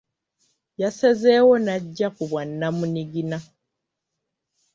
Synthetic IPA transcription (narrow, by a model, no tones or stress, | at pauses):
jasezeːwo̞naɟːakuβwanːamuniɡina